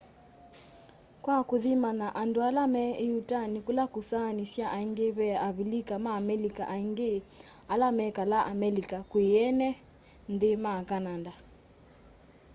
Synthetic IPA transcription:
kwakuðimanaʔandoalamɛejutanikulakusanisjaʔaiŋɡeβɛaβilikamaːmɛlikaʔaiŋɡe | alamɛkalaʔamɛlikakwiɛnɛ | ndemakananda

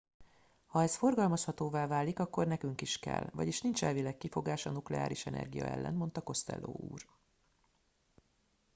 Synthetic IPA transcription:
hɒɛsfo̞rɡɒlmɒshɒt̪oːvaːvaːlːikɒkːo̞rnɛkyŋkiʃkɛ̰lvɒɟiʃnint͡ʃɛlvilɛkːifo̞ɡaːʃɒnuklɛ̰a̰ːɾiʃɛnɛ̰rɡijɒ̰ɛ̰lːɛ̰nmo̞n̪t̪ɒko̞st̪ɛ̰lːoːṵːr

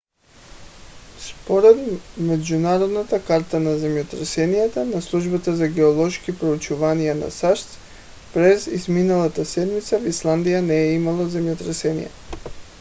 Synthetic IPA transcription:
spoɾɛd̪mɛd͡ʒunaɾɔd̪nat̪akaɾt̪anazɛmjɔt̪ɾɛsɛnijat̪anaslˠuʒbat̪azaɡɛɔlˠɔʃkipɾout͡ʃuvanijana̰saʃt̪s | pɾɛzizminalˠat̪asɛd̪mit̪savislˠand̪ijanɛːimalˠazɛmjɔt̪ɾɛsɛnḭjɛ̰

